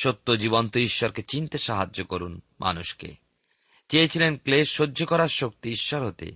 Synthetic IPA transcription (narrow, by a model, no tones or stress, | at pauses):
ʃot̪ːod͡ʑibont̪oiʃːɔɾket͡ɕint̪eʃaɦad͡ʑːokoɾunmʔa̰nuʃkḛ | t͡ɕeet͡ɕʰilenkleʃʃod͡ʑːʱokɔɾaɾʃok̚t̪iiʃːɔɾɦot̪ḛ